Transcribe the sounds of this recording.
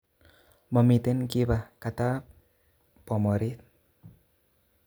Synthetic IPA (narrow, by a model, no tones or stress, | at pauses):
məmit̪ɪnkiβakat̪a | pɔmɔɾit̪̚